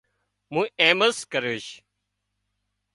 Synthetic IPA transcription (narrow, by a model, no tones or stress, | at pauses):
mũːeːməskəɾeʃ